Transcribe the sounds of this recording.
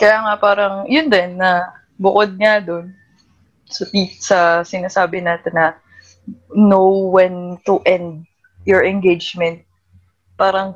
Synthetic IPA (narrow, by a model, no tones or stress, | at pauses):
kɐjaːŋɐpaːɾɐŋjʊnd̪ɛnːɐ | bʊkod̪̚ŋad̪on | sɐt̪it̪̚sɐsɪnaːsaːbɪnaːt̪ɛnːɐ | nowwɐnt̪ʊʔɛnd̪̚ | jɔɹɛnɡejd͡ʒmɛnt̪̚ | paːɾɐŋ